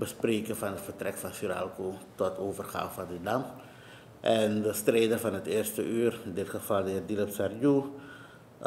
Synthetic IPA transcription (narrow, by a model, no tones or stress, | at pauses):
bəspreːkəfɑnətfərtrɛkfɑnsyɾa̰lkutɔtʰoːvərχa̰ːfadidam | ʔɛndəstrejdərfɑnɦətɪːrstəʔyːrɪndɪtχəvɑlˠdəɦɪːrdiləpsarju